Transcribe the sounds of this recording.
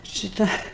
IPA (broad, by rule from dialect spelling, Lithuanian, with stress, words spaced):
ʃʲɪˈtɐ